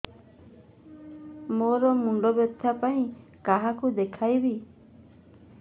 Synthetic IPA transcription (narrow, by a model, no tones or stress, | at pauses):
moɾɔmuɳɖɔbjɔt̪ʰːapaĩkaɦakud̪ekʰajbi